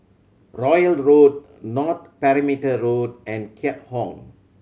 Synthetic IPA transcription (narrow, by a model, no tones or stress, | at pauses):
ɹɔjəlɹod̚ | nɔt̚pɛɹimitəɹodɛ̃nkʰɛt̚hɔ̃ŋ